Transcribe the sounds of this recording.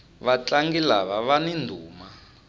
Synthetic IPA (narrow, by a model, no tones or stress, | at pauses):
βat͡ɬaŋɡilaβaβanindʱuːma